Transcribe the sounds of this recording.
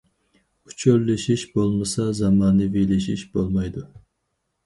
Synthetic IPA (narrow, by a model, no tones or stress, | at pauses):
ut͡ʃʰølːɪʃiʃbolˠmɨsɑzɑmɑːnɨvilɪʃiʃbolˠmɑjd̪u